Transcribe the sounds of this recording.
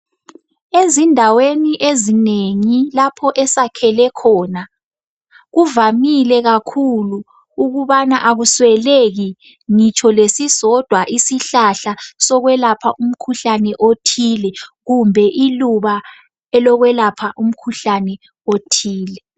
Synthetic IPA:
ezindʱaweniʔezineŋilapʰɔʔɛsakʰɛlɛkʰɔːna | ɣuvamilɛɣakʰuluː | ɣuβanaʔaɣuswɛleɣi | ŋit͡ʃʰɔlesisɔd̥ʱwaʔisiɬaɬasɔɣwɛlapʰaʔum̩kʰuɬanɛʔotʰilɛɣumbʱɛʔiluβa | ɛlɔɣwɛlapʰaʔum̩kʰuɬanɛ | otʰiːlɛ

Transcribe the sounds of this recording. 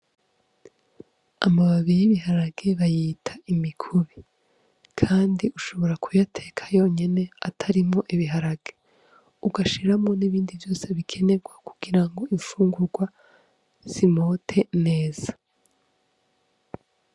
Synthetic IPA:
amaβaβijiβiɦaɾaɡ̥e̞βajiːtʰaimikʰuβi | kʰaːndiuʃo̞βo̞ɾakʰujatʰe̞kʰḁjo̞ːɲe̞ne̞atʰaɾimŋo̞ʔiβiɦaɾaɡ̥e̞ | uɡaʃiɾamŋo̞niβiːndivjo̞ːse̞βikʰe̞ne̞ɡwaku̥ɡ̥iɾaŋɡo̞iɱfuːŋɡuɾɡwa | z̥imo̞ːtʰe̞ne̞ːz̥ḁ

